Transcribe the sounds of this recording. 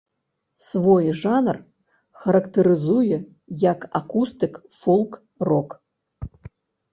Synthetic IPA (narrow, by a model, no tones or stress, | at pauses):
svojʐanr | xɐɾɐkt̪ʰɨɾɨzujɛ | jaka̰kust̪ɨkfolˠk | rok